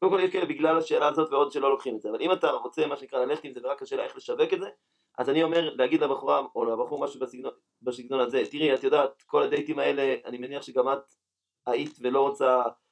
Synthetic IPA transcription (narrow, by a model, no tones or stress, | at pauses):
kkodemkoljeʃkaelbiɡlalaʃe̞ːlaːzo̞tveo̞dʃe̞lo̞lokχimetzeava̰limataʁo̞t͡se̞maʃenikʁalale̞χetimzeveʁakːaʃelaeχle̞ʃave̞ketze̞ | ʔazanio̞me̞ʁleaɡid̪labaχuʁavo̞lbaχuʁmaʃubasiɡno | basiɡno̞naze̞tiʁiatjodaːt̪̚ko̞ladejtimae̞le̞a̰nimeniaχʃeɡamat̪ | aitve̞lo̞ʁot͡sa